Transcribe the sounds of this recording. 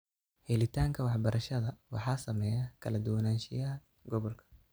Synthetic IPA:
hɛlɪt̪ʰaːŋkʰɐwɑħbɐɾɐʃɐðɐwɑ̰ħɑːsɐmɛːjakʰɐlɐd̪ʊwɐnaːnʃɪjaːl | ɡɔβɔlkʰɐ̥

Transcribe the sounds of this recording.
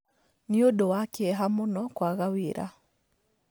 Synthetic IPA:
niodowakeɛɦamonɔkwaɣaweɾa̰

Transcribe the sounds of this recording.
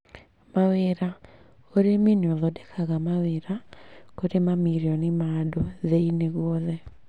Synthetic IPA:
maweɾa | oɾeminɔðɔdɛkʰaɣamaweɾakoɾemamiɾjɔnɪmadoðeineɣwɔðɛ

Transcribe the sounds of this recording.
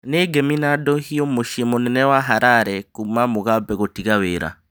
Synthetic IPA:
neɡɛminadɔhiɔmoʃemonɛnɛwaɦaɾaɾɛkumamoɣabɛɣotiɣaweɾa̰

